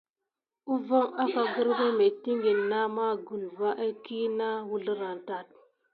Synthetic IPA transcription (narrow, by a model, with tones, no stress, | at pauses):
u˦vo˦ŋa˦ka˨ɡu˦ɾke˦me˨tːi˦ŋɡi˨nːa˦ma˦ɡu˨n˨va˦ʔa˦ki˦na˦wu˦ɮə˦ɾa˨nta˨t̚